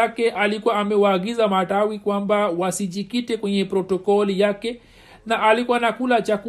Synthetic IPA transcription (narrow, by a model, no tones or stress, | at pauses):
akɛʔalikuwaːmɛwaːɠizamatawikwambawasiʄikitɛkwɛɲɛpɾɔtɔkɔlijakɛ | naʔalikuwanakulat͡ʃaku